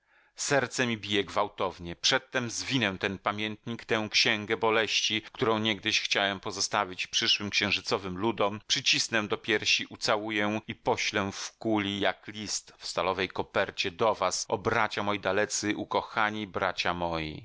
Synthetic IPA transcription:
sɛɾt̪sɛmʲibʲijɛɡvawt̪ɔvɲɛpʂɛt̪ːɛmzvʲinɛw̃t̪ɛnpamʲjɛnt̪ɲikt̪ɛw̃kɕɛŋɡɛbɔlɛɕt͡ɕikt̪uɾɔ̃w̃ɲɛɡ̚d̪ɘɕxt͡ɕawɛmpɔzɔst̪avʲit͡ɕpʂɘʂwɘmkɕɛ̃w̃ʐɘt̪sɔvɘmlud̪ɔmpʂɘt͡ɕisnɛw̃d̪ɔpʲjɛɾɕiʔut̪sawujɛipɔɕlɛfkulʲijaklʲist̪fst̪alɔvɛjkɔpɛɾt͡ɕɛd̪ɔvasɔbɾat͡ɕamɔjid̪alɛt̪sɘʔukɔxaɲibɾat͡ɕamɔjḭ

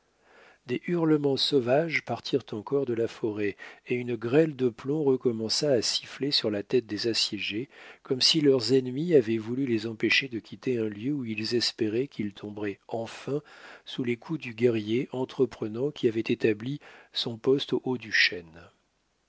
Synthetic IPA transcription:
d̪eʔyʁləmɑ̃sɔvaʒpaʁt̪ʰiʁt̪ɑ̃kɔʁd̪əlafɔʁɛeynɡʁɛld̪əplɔ̃ʁəkɔmɑ̃saːsi̥flesyʁlat̪ɛt̪̚d̪ezasjɛʒekɔmsilœʁzɛnmiavɛvulylezɑ̃peʃed̪əkʲʰit̪eɛ̃ljøuilzɛspeʁɛkʰilt̪ʰɔ̃bʁɛɑ̃fɛ̃sulekʰud̪yɡʲɛʁjeʔɑ̃t̪χəpχənɑ̃kʲʰiavɛt̪et̪ablisɔ̃pɔst̪oʔod̪yʃɛn

